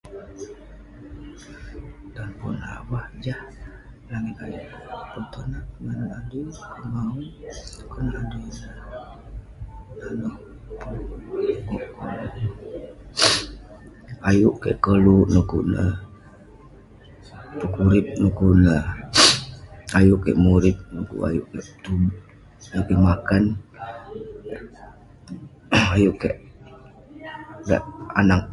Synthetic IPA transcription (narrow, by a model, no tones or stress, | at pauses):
t̪anpṵna̰wahd͡ʒah | laŋikajṵʔpunt̪onat̪̚ŋanadukumaukɔnadinə | nanɔh | puɡuʔkɔ̰nn | ajuʔkḛʔkəluʔnukuʔnə | pəkuɾɪp̚nukuʔnəh | ajuʔkḛʔmuɾɪp̚nukṵʔa̰jṵʔkeʔt̪ub | ajuʔkemakan | ajuʔkeʔ | ɡa̰ʔa̰nak̚